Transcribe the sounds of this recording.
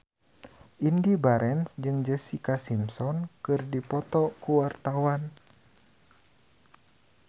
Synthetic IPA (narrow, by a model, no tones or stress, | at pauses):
ʔindibaɾɛnsd͡ʒɨŋd͡ʒəsikasimsɔnkɨrdipɔt̪ɔkuwart̪awan